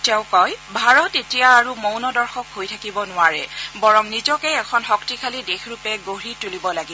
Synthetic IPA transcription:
tɛʊ̃kɔjbʱaɹɔtetijaːɹumownɔdɔɹxɔkɦojtʰakibɔnʊwaɹɛ̰bɔɹɔmnizɔkɛɛkʰɔnxɔktikʰalidexʰɹupɛɡoɹitulibɔlaɡi

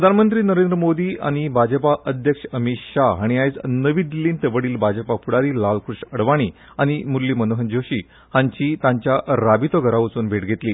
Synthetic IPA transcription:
pɾəd̪ʱanmənt̪ɾiːnəɾend̪ɾəmod̪iːa̰ɽ̃ibʱad͡ʑəpaʔəd̪ʱjəkʂəmiɕaɦaɽ̃ijajt͡snəʋiːd̪ilːiːnt̪eʋəɽiːlbʱad͡ʑəpapuɽaɾiːlalkɾuʂəɽʋaɽ̃iː | aɽ̃imulːiːmənoɦənd͡ʑoɕiː | hãɲt͡ɕiːt̪ãɲt͡ɕjaɾabit̪oɡʱəɾaʋət͡suːnbʱeʈɡʱet̪liː

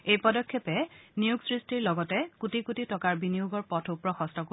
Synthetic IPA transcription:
ejpɔdɔkʰːɔpɛnijuɡsɹistiɹlɔɡɔtɛkutikutitɔkaɹbinijuɡɔɹpɔtʰupɹɔxɔstɔko

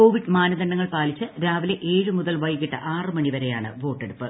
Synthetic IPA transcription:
ko̞ːʋiɖmaːnɐðɐɳːɐŋːɐɭpaːlit͡ɕːɨɾaːʋileʔe̞ːɻɨmuðɐlʋɐjɣiʈːɨʔaːrɨmɐɳiʋɐɾe̞jaːɳɨ̰ʋo̞ːʈːe̞ɽupːɨ

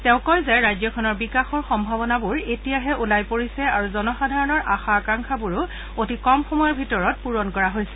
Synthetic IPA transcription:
tɛʊ̃kɔjzajɹajzjɔkʰɔnɔɹbikaxɔɹxɔmbʱabɔnabuɹetijaɦɛʔulajpoɹisɛaɹuzɔnɔxadʱaɹɔnɔɹʔaxaːkaŋxʰabuɹʊ | otikɔmxɔmɔjɔɹbʱitɔɹɔt̚puɹɔnkɔɹaɦojsɛ̥

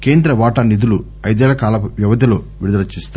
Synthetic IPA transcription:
ke̞ːnd̪ɾɐʋaːʈɐnid̪ulu | ɐjd̪ɛːɭɐkaːlɐʋjɐʋɐd̪ʱiloː | ʋiɾud̪ɐɾɐt͡ʃːist̪a

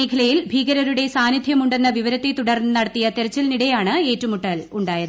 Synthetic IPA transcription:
eːkʰɐlɐjilbʱiːɡɐɾɐɾuɽe̞saːnid̪ʱjɐmuɳɖe̞nːɐʋiʋɐɾɐt̪ːet̪uɽɐrnːɨnɐɽɐt̪ːijɐt̪eɾɐt͡ɕːɐlniɽejaːɳɨeːtːumuʈːɐluɳɖaːjɐðɨ

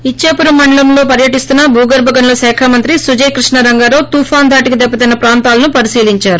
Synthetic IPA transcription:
it͡ʃːaːpuɾɐmːɐɳɖɐlɐmlo̞ːpɐɾjɐʈist̪unːɐbʱuːɡɐɾbʱɐɡɐnlɐsɛːkʰaːmɐnt̪ɾisud͡ʒejkɾiʂɳɐɾɐŋɡaːɾoːt̪uːfʰaːnd̪ʱaːʈikid̪ɛpːɐt̪ɐjnɐpɾaːnt̪aːlɐnupɐɾisiːliɲt͡ʃaːɾu

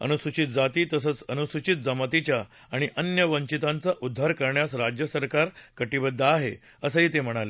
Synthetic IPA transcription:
ə̰nusut͡ɕit̪̚d͡zat̪iːt̪əsət͡sənusut͡ɕit̪̚d͡zəmət̪it͡ɕjaː | ɽ̃iʔənjəʋəɲt͡ɕit̪ãnt͡saʔud̪ʱːaɾkəɾɳjasɾad͡ʑjəsəɾkaɾkəʈibəd̪ʱːaːɦe | əsəɦiːt̪em̤əɽ̃ale

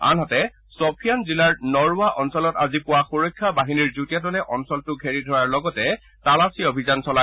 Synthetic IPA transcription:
a̰nɦɔtɛ | sɔpʰijanzilaɹnɔɹuwaʔɔnsɔlɔtazipʊwaxuɹojkʰːabaɦiniɹzutijatɔlɛʔɔnsɔltʊɡʱeɹidʱɔɹaɹlɔɡɔtɛ | talasiobʱizansɔla

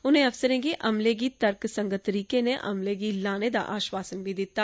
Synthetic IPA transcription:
ʊn̤ẽɐfsəɾẽɡiʔɐmleɡit̪əɾksə̃ŋɡət̪ːəɾiːkeneʔɐ̰mleɡilaːned̪a̰ʔaːʃwaːsənbʱid̪ɪt̪ːaː

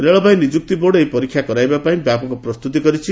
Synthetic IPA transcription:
ɾeɭʌbaj̃nid͡zuk̚t̪iboɽejpʌɾikʰːjakʌɾajbapaĩbjapɔkoprʌst̪ut̪̬iɡʌɾit͡sʰi

